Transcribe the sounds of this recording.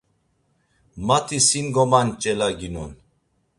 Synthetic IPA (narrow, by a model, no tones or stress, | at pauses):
mat̪ʰisinɡɔmant͡ʃʼɛlaɡinɔ̰n